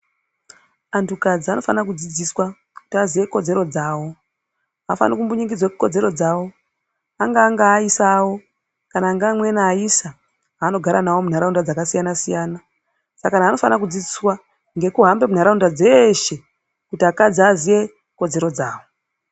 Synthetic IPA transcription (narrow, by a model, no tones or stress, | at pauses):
antukad͡ziano̞fanakud͡zid͡ziswa | ku̥tiazije̞ko̞d͡ze̞ɾo̞d͡zaːwo̞ | afa̰nikumbuɲiɡid͡zwakuko̞d͡ze̞ɾo̞d͡zaːwo̞ | aŋɡaːŋɡaːisawo̞ | kanaːŋɡamwe̞naːisa | ano̞ɡʱaɾanawo̞mun̤aɾaundad͡zakasijanasijaːna | sakanaːno̞fanak̬ud͡zid͡ziswa | ŋɡe̞kuɦambe̞mun̤aɾaundad͡zeʃe̞ | kutiakad͡ziazije̞ | ko̞d͡ze̞ɾod͡zaːwo̞